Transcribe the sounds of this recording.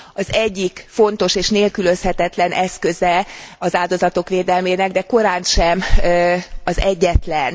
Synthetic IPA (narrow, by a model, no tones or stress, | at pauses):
ɒzɛɟːikfo̞nt̪o̞ʃeːʃneːlkyløshɛt̪ɛt̪lɛnʔɛskøzɛɒzaːld̪o̞zɒt̪o̞kʋeːd̪ɛlmeːnɛɡd̪ɛko̞ɾaːnʃɛm | ɒzɛɟːɛt̪lɛn